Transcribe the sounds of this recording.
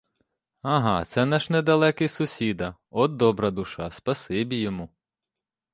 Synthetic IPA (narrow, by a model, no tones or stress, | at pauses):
ɐɦɑt̪sɛnɛʃnɛd̪ɐlˠɛkɪjsʊsʲid̪ɐɔd̪ːɔbɾɐd̪ʊʃɑspɐsɪbʲijɔmu